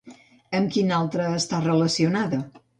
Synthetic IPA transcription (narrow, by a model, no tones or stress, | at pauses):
əmkinalˠt̪ɾəːst̪arələsiunaðə